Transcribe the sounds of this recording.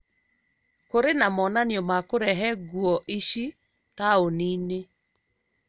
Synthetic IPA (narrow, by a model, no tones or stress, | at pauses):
koɾenamɔnanjɔmakoɾɛɦɛɡuɔʔiʃi | kaonine